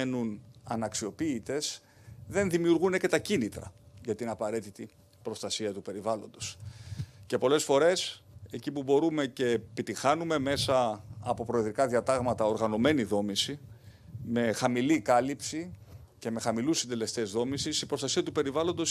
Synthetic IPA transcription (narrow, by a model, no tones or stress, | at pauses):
enunɐnɐksio̞piːt̪e̞s | ðe̞nðimiuɾɣunece̞t̪ɐcinit̪ɾɐ̰ʝɐt̪inɐpɐɾe̞t̪it̪i | pɾo̞st̪ɐsiɐt̪upe̞ɾivɐlo̞̰nd̪o̞s | ce̞po̞le̞sfo̞ɾe̞se̞cipubo̞ɾume̞ce̞pit̪ixɐnume̞me̞sɐ̰ːpo̞pɾo̞iðɾikɐðiɐt̪ɐɣmɐt̪ɐo̞ɾɣɐno̞me̞niðo̞misi | me̞xɐmilikɐlipsi | ce̞me̞xɐmilusind̪e̞le̞st̪ezðo̞misisipɾo̞st̪ɐsiɐt̪upe̞ɾivɐlo̞nd̪o̞s